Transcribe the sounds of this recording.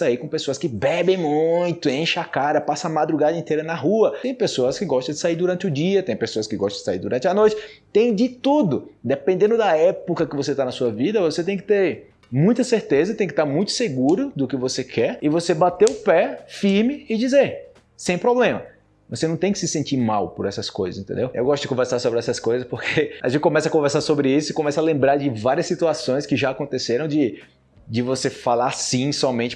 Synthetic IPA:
aikõpesoɐskɪbɛbẽj̃mũj̃t̪ʊẽʃakad̪ɐpasɐ̃amad̪ɾuɡad̪ɐẽnt̪ejɾɐnɐɦuɐẽj̃pesoɐskɪɡɔʃt̪ɐ̃d͡ʒɪsaiɾd̪uɾɐ̃nt͡ʃɪʊd͡ʒiɐt̪ẽj̃pesoɐskɪɡɔʃt̪ɐ̃d͡ʒɪ̥saiɾd̪uɾɐ̃nt͡ʃɪɐnojt͡ʃɪt̪ẽj̃d͡ʒɪt̪ud̪ʊd̪epẽnd̪ẽnd̪ʊd̪ɐɛpokɐkɪvoset̪anɐsuɐvid̪ɐvoset̪ẽj̃kɪ̥t̪eɾ | mũj̃t̪ɐseɾt̪ezɐt̪ẽj̃kɪ̥t̪aɾmũj̃t̪ʊ̥seɡuɾʊd̪ʊkɪvosekʰɛɾɪvosebat̪eʊpɛfiɾmɪːd͡ʒizeɾ | sẽj̃pɾoblẽmɐ | vosenɐ̃w̃t̪ẽj̃kɪsɪsẽnt͡ʃiɾmawpʊɾɛsɐskojzɐzĩnt̪ẽd̪ewḛwɡɔst̪ʊd͡ʒɪkõveɾsaɾsobɾɪɛsɐskojzɐspoɾkʰeɐ̰ʒẽntt͡ʃɪkõmɛsɐkõveɾsaɾsobɾɪisʊɪkõmɛsɐalẽmbɾaɾd͡ʒɪvaɾiɐsːit̪uasõj̃skɪʒaːkõnt̪eseɾɐ̃w̃d͡ʒɪ | d͡ʒɪvosefalaɾsĩsɔmẽt͡ʃɪ

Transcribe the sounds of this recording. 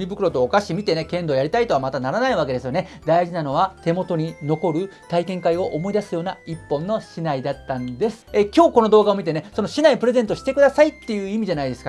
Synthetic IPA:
ibɯ̟kɯ̟ɾo̞t̪o̞ːkaɕimʲit̪e̞ne̞kẽ̞nd̪o̞ːjaɾʲit̪ait̪o̞βamat̪anaɾanaiβ̞ake̞d̪e̞sɨjone̞d̪aiʑinano̞β̞at̪e̞mo̞t̪o̞ɲ̟ino̞ko̞ɾɯ̟t̪aikẽ̞ŋkaio̞ʔomo̞id̪asɨjo̞ːnaipːõ̞nːo̞ɕinaid̪at̪ːãnd̪e̞sɨ̥ekʲo̞ːko̞no̞d̪o̞ːɡao̞mʲit̪e̞ne̞so̞no̞ɕinaipɯɾe̞ze̞nt̪o̞ɕi̥t̪e̞kɯd̪asait̪ːe̞jɯ̟ːimʲiʑanaid̪e̞sɨ̥ka

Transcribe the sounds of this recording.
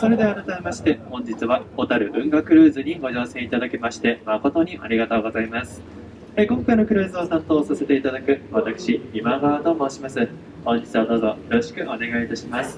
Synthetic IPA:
so̞ɾe̞d̪e̞aɾat̪amemaɕi̥t̪e̞hõ̞ɲ̟d͡ʑit͡sɨβaot̪aɾɯ̟bɯ̟̃ŋɡakɯ̟ɾɯ̟ːzɨɲ̟iɡo̞ʑo̞ːsẽ̞ɰ̃it̪ad̪akemaɕi̥t̪e̞mako̞t̪o̞ɲ̟iʔaɾʲiɡat̪o̞ːɡo̞zaimasɨ̥ | hekõ̞ŋkainokɯ̟ɾɯ̟ːzɨosãnt̪o̞ːsase̞t̪e̞it̪ad̪akɯ̟βat̪akɯ̟̥ɕiimaɡaːd̪o̞ːmoːɕimasɨ | hõ̞ɲ̟d͡ʑit͡sɨβad̪o̞ːzo̞jo̞ɾoɕi̥kɯ̟ʔo̞ne̞ɡait̪aɕimasɨ̥

